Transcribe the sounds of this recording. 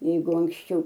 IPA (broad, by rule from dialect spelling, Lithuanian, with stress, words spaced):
ˈjɛɪɡʊ ɐŋksʲˈt͡ʃʲɛʊ